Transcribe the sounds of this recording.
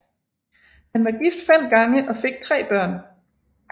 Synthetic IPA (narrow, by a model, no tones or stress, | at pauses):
hænʋɑ̈ɡ̥ifd̥fen̰ɡ̥ɑ̈ŋəʔɒ̽fe̝ɡ̥̚t͡sʰʁɛ̰ːb̥ɶɐ̰n